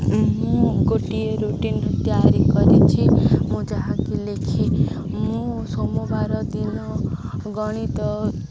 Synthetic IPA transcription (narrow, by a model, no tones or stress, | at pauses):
mũɡoʈieɾuʈint̪jaɾikɔɾet͡ʃʰimũd͡ʒʌɦãkilekʰemũsomobaɾɔd̪inɔɡɔɽ̃it̪ɔ